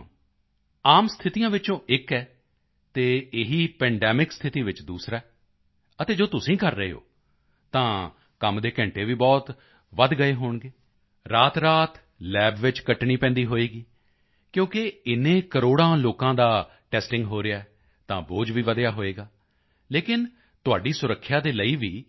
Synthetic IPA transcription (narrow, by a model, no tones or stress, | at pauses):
aːmst̪ʰɪt̪ijãːʋɪt͡ʃõːʔɪkɛː | t̪eːɪɦiːpɛ̃ːɳɖɛːmɪkst̪ʰɪt̪iːʋɪt͡ʃd̪uːsɾaː | ət̪eːd͡ʒoːt̪ʊsĩːkəɾːəḛːɦo̰ː | t̪ãː | kəmd̪eːkɛ̃ːɳʈeːʋiːbɔːt̪ | ʋəd̪ɡəeːɦoːɳɡeː | ɾaːt̪ɾaːt̪ | lɛːbʋɪt͡ʃkəʈɳiːpɛ̃ːnd̪iːɦoːeːɡiː | kjõːkɪɪnẽːkəɾoːɽãːloːkãːd̪aː | ʈɛːsʈɪ̃ŋɡɦoːɾɪjaːɛ | t̪ãːboːd͡ʒʋiːʋəd̪jaːɦoːeːɡaː | leːkɪn | t̪ʊaːɖiːsʊɾəkʰːjaːd̪eːləiːʋiː